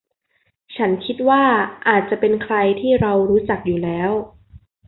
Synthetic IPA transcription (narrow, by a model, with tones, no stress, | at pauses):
t͡ɕʰa˦˥nkʰi˦˥t̪̚waː˥˩ʔaː˨˩t̪̚t͡ɕa˨˩pe˧nkʰɾa˧jt̪ʰiː˥˩ɾa˧wɾuː˦˥t͡ɕa˨˩k̚juː˨˩lɛː˦˥w